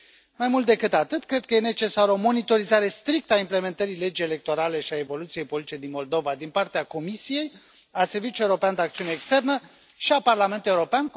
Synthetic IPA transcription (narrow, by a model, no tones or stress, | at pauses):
majmult̪̚d̪e̞kɨt̪at̪ɨt̪kɾe̞d̪̚kəje̞ne̞t͡ʃe̞saɾəo̞mo̞nit̪o̞ɾizaɾe̞st̪ɾik̚t̪əaimple̞me̞nt̪əɾile̞d͡ʒije̞le̞k̚t̪o̞ɾale̞ʃiae̞vo̞lut̪sije̞jpoliit͡ʃed̪inmo̞ld̪o̞vad̪inpart̪eako̞misije̞j | ase̞rvit͡ʃuje̞wuɾo̞peand̪eakt̪iuneːkst̪e̞rnə | ʃiaparlame̞nt̪ule̞wuɾo̞pean